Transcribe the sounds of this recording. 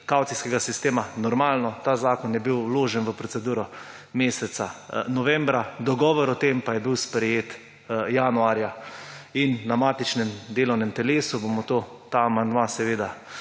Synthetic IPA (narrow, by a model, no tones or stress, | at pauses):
kawt̪siskɛɡasist̪eːmanɔɾmaːlnɔt̪aːzaːkɔnjɛbiwloːʒɛnʋəpɾɔtsɛd̪uːɾɔ | meːsɛt̪sanɔʋɛmbɾad̪ɔɡɔːʋɔɾɔt̪empajɛbiwspɾɛjeːt̪ | jaːnuaːɾjainːamaːt̪it͡ʃnɛmd̪eːlɔwnɛmt̪ɛleːsubomɔt̪ot̪aːmand̪ʋasɛʋeːd̪a